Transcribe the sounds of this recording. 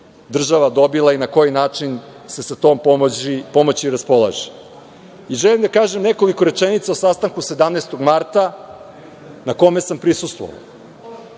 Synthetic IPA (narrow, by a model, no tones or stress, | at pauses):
d̪r̩ʒaʋad̪o̞bilˠainako̞jinaːt͡ʂin | se̞sat̪o̞ːmipo̞mot͡ɕiɾaspo̞lˠa̰ʒe̥ | iʒelimd̪akaːʒemne̞ko̞liko̞ɾe̞t͡ʃenit̪saosast̪aŋkuse̞d̪amnest̪o̞ɡmaɾt̪a | nako̞me̞sampɾisust̪vʋo̰ʋa̰